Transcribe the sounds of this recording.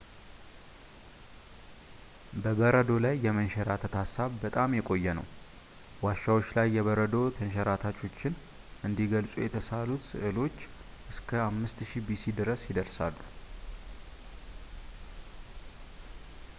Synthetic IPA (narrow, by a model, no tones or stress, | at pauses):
bəbəɾəd̪o̞lajːɛmənʃɛɾat̪ʰət̪hasːaβbət̪ʼamjɛkʼo̞jːɛnə̰w | waʃːawot͡ʃːlajːɛβəɾəd̪o̞t̪ʰənʃ̬ɛɾat̪ʰat͡ʃo̞t͡ʃːɪn | ʔɨnd̪iɡəlsʼujɛt̪ʰəsalut̪sɨ̰ʔɨlo̞t͡ʃː | ʔɨskʰəamːɨst̪ʃibisid̪ɨɾəsjɪd̪əɾsalːu